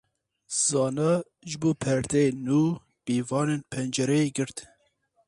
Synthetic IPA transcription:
z̥ɑːnɑ | ʒɨboːpʰɛɾd̪enuː | b̥iːvɑːneːnpʰɛnd͡ʒɛɾɛeɡɨɾt̪

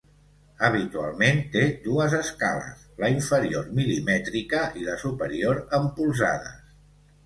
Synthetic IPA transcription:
əβit̪ua̰lˠment̪ed̪uəzəska̰lə̰sləiɱfəɾioɾmilimɛt̪ɾikəʔiləsupəɾioɾəmpulˠza̰ðə̰s

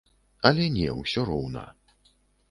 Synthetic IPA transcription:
ɐlʲɛnʲɛ̰wsʲɔɾɔwnɐ̰

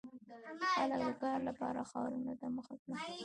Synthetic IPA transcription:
xalək̚d̪əkɑɾlapɑ̰ɾaxɑ̰ɾunat̪aməxakɽi

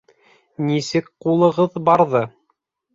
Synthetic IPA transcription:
nisɘkqulˠɤ̆ʁɤðbɑɾðɤ

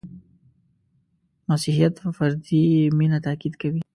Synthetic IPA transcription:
masihijat̪fəfaɾd̪iminat̪akid̪kawi

